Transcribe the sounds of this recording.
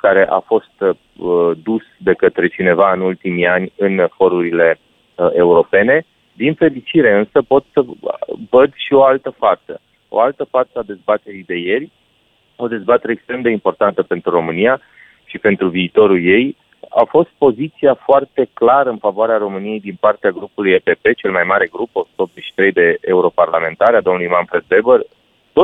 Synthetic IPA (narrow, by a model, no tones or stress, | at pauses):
kaɾe̞ʔa̰fo̞st̪ | d̪usd̪e̞kət̪ɾe̞t͡ʃine̞vaɨnult̪imianʲɨnfo̞ɾuɾile̞ | e̞uɾo̞pe̞ne̞ | d̪infe̞lit͡ʃiɾe̞ɨnsəpo̞t̪səvəd̪ʃio̞alt̪əfasə̰ | o̞̰alt̪əfat̪səad̪e̞zbat̪e̞ɾid̪e̞je̞rʲ | o̞d̪e̞zbat̪eɾeːkst̪ɾe̞md̪e̞impo̞rt̪ant̪əpe̞nt̪ɾuɾo̞mɨnija | ʃipe̞nt̪ɾuviːt̪o̞ɾulje̞j | a̰fo̞st̪̚po̞zit̪siafoart̪e̞klaɾəɨnfavoaɾeaɾo̞mɨnije̞jd̪inpart̪eaɡɾupulujepe̞pe̞t͡ʃe̞lmajmaɾe̞ɡɾupo̞su̥t̪əopze̞t͡ʃʃi̥t̪ɾe̞jd̪e̞euɾo̞parlame̞nt̪aɾead̪o̞mnulujmanfɾe̞d̪̚be̞bər | t̪o